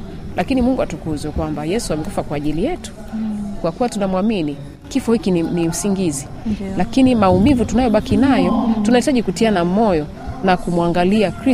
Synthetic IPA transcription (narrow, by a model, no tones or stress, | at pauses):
lakinimuŋɡuatukuzɛkwambajɛsuamɛkufakwaːʄilijɛtu̥ | kwakuwatunamwamini | kifɔhikinim̩siŋɡizi | lakinimaumivutunajɔɓakinajɔtunahitaʄikutianamɔjɔ | nakumwaŋɡaliakɾi